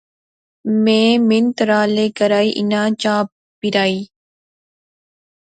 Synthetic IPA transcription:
mẽːmɪnt̪ɾaːleːkəɾaːiːʔɪ̰nãːt͡ʃaːp | piɾaːiː

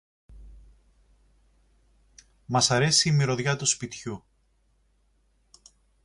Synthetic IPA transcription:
mɐsɐɾe̞siːmiɾo̞ðʝɐt̪uspit̪çu

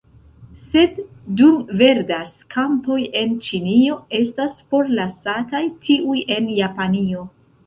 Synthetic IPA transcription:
se̞dː | umve̞ɾdaskʰampo̞je̞nt͡ʃinio̞e̞staspo̞ɾlasatajtʰiuje̞njapanio̞

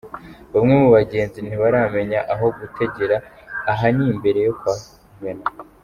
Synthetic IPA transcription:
βamŋemuβaɟe̞ːnzin̥iβaɾame̞ɲaʔaɦo̞ɡutʰe̞ɟe̞ɾaːɦanimbe̞ɾe̞jo̞kwaːkuːŋɡana

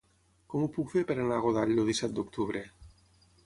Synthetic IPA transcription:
kɔmupukfeɾpeɾanaɣoðaʎd̪oðisɛt̪̚d̪ok̚t̪uβɾe

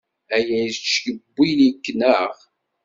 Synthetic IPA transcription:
æjæjt͡ʃːjəbːilikːnæʁ

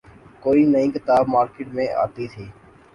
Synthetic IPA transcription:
koːiːnəĩːkɪt̪aːbmaːɾkeːʈmẽːʔa̰ːt̪it̪ʰiː

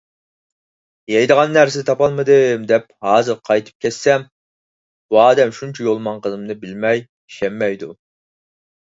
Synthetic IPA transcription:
jɛjd̪əʁɑnːæɾsɪd̪ɪt̪ʰɑpɑlˠmɨd̪ɨmd̪ɛp̚hɑːzɨɾqʰɑjt̪ʰɨ̥p̚kʲʰɛsːɛm | buɑːd̪ɛmʃunt͡ʃʰɛjolˠmɑnqʰəzɨmnɨbɪlmɛj | iʃɛmːɛjd̪u

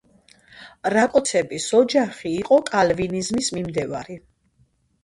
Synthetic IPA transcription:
ɾakʼɔt̪sʰɛbisɔd͡ʒaχiːqʼɔkʼalvinizmismimd̪ɛva̰ɾi

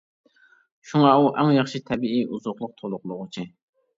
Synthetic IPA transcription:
ʃuŋɑuʔɛŋjɑχʃit̪ʰɛbiiʔuzoχlˠʊq̚t̪ʰolˠʊqlˠʊʁʊt͡ʃʰi

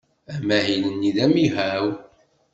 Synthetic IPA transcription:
æmæɦinənːiðæmihæw

